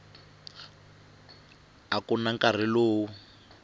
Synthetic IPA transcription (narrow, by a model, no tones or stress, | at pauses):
akunaŋkar̤iloːwu